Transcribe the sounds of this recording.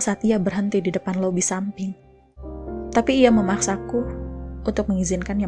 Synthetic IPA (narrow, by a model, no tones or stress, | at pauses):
saːt̪iabərɦənt̪ididəpanlobisampɪŋ | t̪apiːjaməmaksakuunt̪ʊk̚məŋizɪnkanja